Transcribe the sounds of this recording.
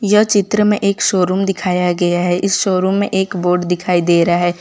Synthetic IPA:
jɐt͡ʃɪt̪ɾəmẽʔeːkʃoːɾumd̪ɪkʰaːjaɡɐjaɦɛʔɪsʃoːɾũmːẽʔeːkboːɾɖd̪ɪkʰaːid̪eːɾɐaɦɛː

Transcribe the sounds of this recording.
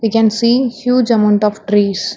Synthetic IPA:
ʋekɛ̃nsiːhjuːd͡ʒɐmãʊ̃ɳʈɔːʋʈɾiːz

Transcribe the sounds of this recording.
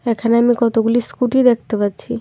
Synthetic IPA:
ɛkʰaneamikɔt̪oɡuliskuʈid̪ek̚ʰt̪epatːɕʰi

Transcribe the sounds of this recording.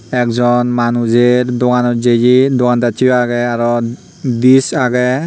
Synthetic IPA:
ɛkzɔnmanuzeɹdokanɔzed͡ʒidokantatʰiaɡɛaɾɔ | disaɡɛ

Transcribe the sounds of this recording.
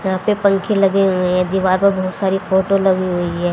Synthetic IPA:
jɐɦãpepɐ̃ŋkʰẽlɐɡeɦʊẽɦɛ̃d̪iːʋaːɾpɐɾbɐɦʊt̪saːɾifoːʈolɐɡiɦoiɦɛː

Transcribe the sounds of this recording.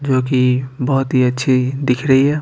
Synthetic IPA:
d͡ʒoːk̬ibɔɦʊt̪ɦiətːʃʰid̪ɪkʰɾəɦiɦɛː

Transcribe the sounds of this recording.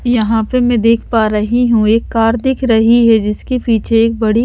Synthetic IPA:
jɐɦãpemɛ̃d̪eːkʰpaːɾɐɦiɦũeːkːaːɾd̪ɪkʰɾɐɦiɦɛd͡ʒɪskipiːt͡ʃʰeeːk̚bɐɽi

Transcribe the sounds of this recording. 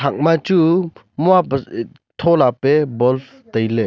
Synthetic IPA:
ak̚mat͡ʃu | muap | t̪ʰɔlapebɔlf | t̪əjle

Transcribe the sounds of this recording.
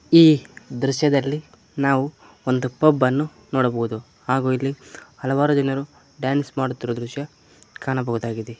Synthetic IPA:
iːd̪ɾuʃjɐd̪ɐlːi | naːʋu | ond̪upɐbːɐnːu | noːɽɐbɐɦud̪u | haːɡuːilːihɐlɐʋaːɾud̪inɐɾu | ɖjaːnsmaːɽut̪ːiɾod̪ɾuʃjɐ | kaːɳɐbɐɦud̪aːɡid̪e

